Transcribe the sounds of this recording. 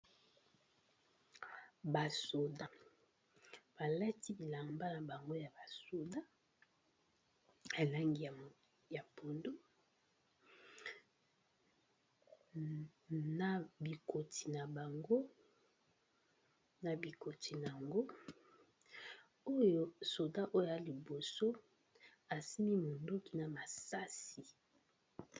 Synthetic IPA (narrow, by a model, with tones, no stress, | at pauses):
ba˨so˨da˨ | b̥a˨la˦ti˦i˨la˨mba˦na˨ba˨ŋɡo˦ja˨ba˨so˨da˦ | a˨la˦ŋɡi˨a˨ | ja˨po˨ndo˦ | na˨bi˨ko˨tʰi˨na˨ba˨ŋɡo˦ | na˨bi˨ko˨ti˨na˨a˨ŋɡo˦ | o˦jo˦so˨da˦ʔo˦ja˦li˨bo˨so˦ | a˨si˦mi˦mo˨ndo˦ki˨na˨ma˨sa˦si˨